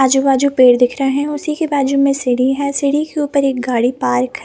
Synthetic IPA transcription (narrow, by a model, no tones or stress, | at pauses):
aːd͡ʒubaːd͡ʒupeːɽd̪ɪkʰɾɐɦɛ̃ʊsikebaːd͡ʒumẽsɪɽiɦɛːsɪɽikeuːpəɾeːk̚ɡaːɽipaːɾkɦɛ